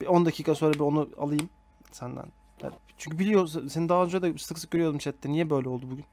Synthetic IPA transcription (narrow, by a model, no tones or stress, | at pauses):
bo̞nd̪acʰiːkʰaso̞ːɾabio̞nua̰lˠɯjɯm | sænd̪æ̰n | jæ̰t͡ʃʰyɲcʰybilʲijossenid̪aːnd͡ʒuad̪ast̪ɯksɯk̚ɟøɾyjo̞d̪umʃɛt̪lːɛnijɛbø̞jlʲɛo̞lˠd̪ubuɟyn